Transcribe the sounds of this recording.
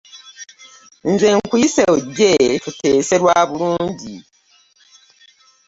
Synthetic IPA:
nze̞ŋkuiseuɟːetuteːse̞ɾwaːβuluːɲɟi

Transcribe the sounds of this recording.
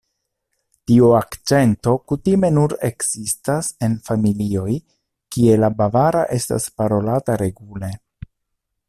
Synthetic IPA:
tiuakt͡ʃe̞nto̞kutime̞nuɾe̞kzistase̞nfamilio̞j | kie̞labavaɾaʔe̞sta̰spaɾo̞lataɾe̞ɡule̞

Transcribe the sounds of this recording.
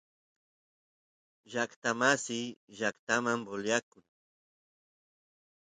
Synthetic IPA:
ʒakt̪amasɪjʒakt̪amamboljakʊŋ

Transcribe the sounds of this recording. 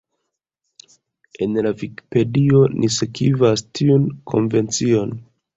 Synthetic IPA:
e̞nlaviki̥pe̞dio̞nʔisekivastʰiunkʰo̞̰nve̞nt͡sio̞n

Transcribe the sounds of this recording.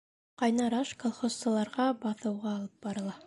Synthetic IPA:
qɑjnɑɾɑʃkolˠχossɤ̆lˠɑɾʁɑbɑθɤ̆wʁɑːlˠɤp̚bɑɾɤ̆lˠɑ

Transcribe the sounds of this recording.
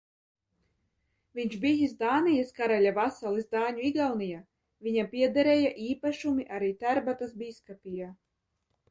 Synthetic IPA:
vʲiɲʃbijisd̪aːnijaskaɾalʲavasalˠisd̪aːɲuiɡawnija | vʲiɲapʲiɛd̪aɾɛːjaʔiːpaʃumiʔaɾiːt̪æɾbat̪asbiːskapʲija

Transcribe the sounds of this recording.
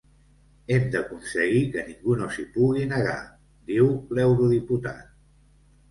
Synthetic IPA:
ɛmd̪əkunsəɣikəniŋɡunosipuɣinəɣ̞a̰ | d̪iwlɛwɾuðiput̪a̰t̪̚

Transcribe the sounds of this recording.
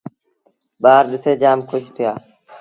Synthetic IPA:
ɓaːɾɗɪseːd͡ʒaːmkʰʊʃt̪ʰɪjaː

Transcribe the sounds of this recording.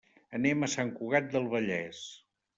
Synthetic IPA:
ənɛməsaŋkuɣat̪̚d̪əlˠβəʎɛs

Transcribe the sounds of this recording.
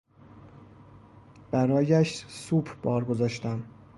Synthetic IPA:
b̥æɾɒːjæʃsubʰb̥ɒːɾɡo̞zɒːʃt̪æm

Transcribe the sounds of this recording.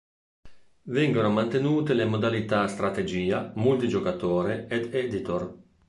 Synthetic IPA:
vɛŋɡonomant̪enuːt̪elemod̪alit̪ast̪ɾat̪ed͡ʒiːamult̪id͡ʒokat̪oːɾeɛd̪ɛd̪it̪or

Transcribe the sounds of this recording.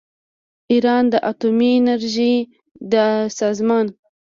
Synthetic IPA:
iɾɑnd̪əʔat̪umiːnaɾʒi | d̪əsɑzmɑn

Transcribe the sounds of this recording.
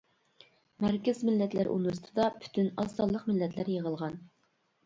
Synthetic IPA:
mæɾkʲɪzmɪlːɛt̪læɾʔṵnust̪ʰɨd̪ɑpʰy̥t̪ʰynɑsɑlˠːəqmɪlːɛt̪ʰlæɾjəʁəlˠʁɑn

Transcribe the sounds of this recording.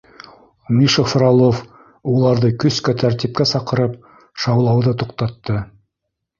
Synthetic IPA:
mʲiʃofɾalˠof | ulˠɑɾðɤkɵ̆skæt̪ʰæɾt̪ip̚kæsɑqɤ̆ɾɤp | ʃɑwlˠɑwðɤt̪uqt̪ɑt̪ːɤ

